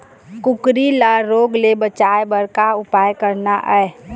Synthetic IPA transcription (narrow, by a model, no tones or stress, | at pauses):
kʊkɾilaɾoːɡlebət͡ʃaebəɾkaʊpaːjkəɾnaʔɛe